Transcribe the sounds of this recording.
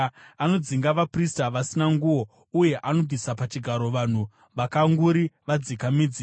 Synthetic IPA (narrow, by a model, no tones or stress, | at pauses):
ano̞d͡ziŋɡaʋapristaʋasinaŋɡuʋo̞ | uje̞ʔano̞bvʱisapat͡ʃiɡʱaɾo̞ʋan̤u | ʋakaŋɡuɾiʋad͡zikamid͡zi